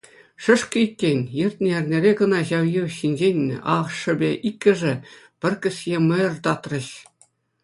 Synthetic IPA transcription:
ʂɤ̆ʂkʲɤ̆ikʲːenʲjɘ̆rʲt̪ʲnʲĕɘ̆rʲnʲeɾʲeɡɤ̆nɑʑɑwjiɕinʲd͡ʑenʲːɘ̰ʔɑ̰χʂɤ̆bʲeʔikʲːɘ̆ʐɘ̆ | pʲɘ̆rʲkʲɘ̆sʲjʲemɤ̆jɤ̆rt̪ɑt̪rɤ̆ɕ

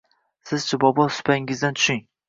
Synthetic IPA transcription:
sɪzt͡ʃʰabɒbɒsʊ̥pʰaɪŋɪzd̪ant̪ʰʊ̥ʃɪŋ

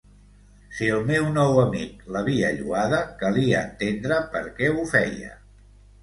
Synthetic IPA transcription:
siəlˠmewnɔwəmik̚ləβ̞iəʎuaðəkəliəːnt̪end̪ɾəpəɾkɛufɛjə̰

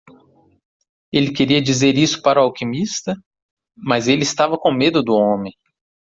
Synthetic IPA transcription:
elɪkeɾiɐd͡ʒizeɾisʊ̥paɾʊawkimist̪ɐ | mɐzelɪːst̪avɐkõmed̪ʊd̪ʊõmẽj̃

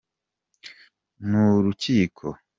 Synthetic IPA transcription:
nuɾuciːkʰo̞

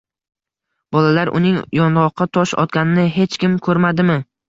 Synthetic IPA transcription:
b̥ɒlalaɾʔʊ̰nɪŋjɒnɾˠɒqʰːɑt̪ʰɒʃɒ̰t̪̚kʲanɪnɪɦe̞t͡ʃkʲɪmkʰɵɾmad̪ɪmɪ

